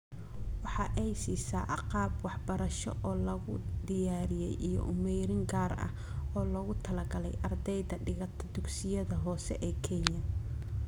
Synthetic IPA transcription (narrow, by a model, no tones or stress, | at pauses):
wɑħɑːʔɛjsiːsaːʔɑqɑːbwɑħbɐɾɐʃɔ̰ʔɔːlɐɣʊ̰d̪ɪjaːɾɪjɛjʔijɔ̰ʔʊmɛjɾɪŋɡaːrɐ̰h | ɔːlɔɣʊt̪ʰɐlɐɡɐlɛjʔɐrd̪ɛjðɐɖɪɣɐt̪ʰɐd̪ʊɡsɪjɐðɐɦɔːsɛ̰ʔɛːkʰɛnjɐ